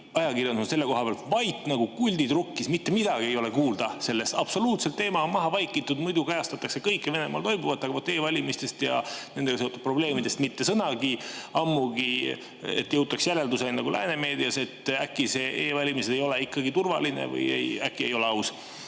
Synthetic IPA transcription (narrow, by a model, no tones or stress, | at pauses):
ɑjɑkirjɑnd̪usse̞lːe̞ko̞ɦɑpeɑlt̪vɑjt̪ːˑnɑɡ̥ukulʲd̪id̪̥rukːismit̪ːemid̪̥ɑɡ̥ie̞jo̞le̞kuːld̪̥ɑse̞lːe̞st̪ɑb̥so̞luːt̪se̞lt̪ːe̞ːmɑonmɑɦɑvɑjkːˑit̪ːˑud̪mujd̪ukɑjɑst̪ɑt̪ːˑɑkse̞kɤjkːˑeve̞ne̞mɑ̰lt̪o̞jbuvɑt̪ːˑɑɡɑot̪ːˑe̞ːvɑlʲimist̪e̞st̪jɑ̰nend̪e̞ɡɑseot̪ud̪̚pro̞ble̞ːmid̪est̪mit̪ːe̞sɤnɑɡiɑmːuɡi | ḛt̪ːjɤwt̪ːˑɑksjæle̞ld̪use̞nɑɡulæ̰ːne̞me̞ːd̪iɑse̞t̪ækːˑise̞ʔeːvɑlʲimised̪ejo̞le̞ikːɑɡit̪urvɑ̰linḛvɤ̰jḛjækːˑie̞jo̞le̞ɑws